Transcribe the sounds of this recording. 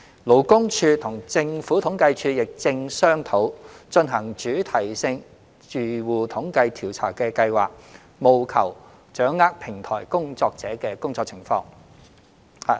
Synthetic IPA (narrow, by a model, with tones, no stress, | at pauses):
lo˨˥wkʊ˥ŋt͡ʃʰyː˧t̪ʰʊ˨˩ŋt͡sɪ˧ŋfuː˨˥t̪ʰʊ˨˥ŋkɐ˧jt͡ʃʰyː˧jɪ˨k̚t͡sɪ˧ŋsœː˥ŋt̪ʰo˨˥wt͡ʃɵ˧nɦɐ˨˩ŋt͡ʃyː˨˥t̪ʰɐ˨˩jsɪ˧ŋ | t͡ʃyː˨˩wuː˨˩t̪ʰʊ˨˥ŋkɐ˧jt̪ʰiː˨˩wt͡sʰaː˨˩wkɛː˧kɐ˧jwa̰ː˨k̚ | mo˨wkʰɐ˨˩w | t͡ʃœː˨˥ŋːaː˥k̚pʰɪ˨˩ŋt̪ʰɔ̰ː˨˩jkʊ˥ŋt͡sɔː˧k̚t͡sɛː˨˥kɛː˧kʊ˥ŋt͡sɔː˧k̚t͡sʰɪ˨˩ŋfɔ̰ː˧ŋ | h